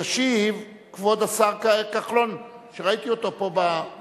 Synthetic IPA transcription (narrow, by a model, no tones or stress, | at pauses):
aʃiv | kvo̞d̪asaʁkakaχlo̞n | ʃeʁait̪iot̪o̞po̞ba